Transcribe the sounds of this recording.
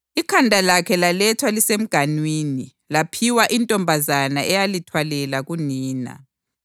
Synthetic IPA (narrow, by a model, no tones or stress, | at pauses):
ikʰandʱalakʰɛlalɛtʰwalisem̩ɡ̥ʱanwiːni | lapʰiwaʔintʼɔmbʱazanaʔɛjalitʰwalɛlaɣuniːna̰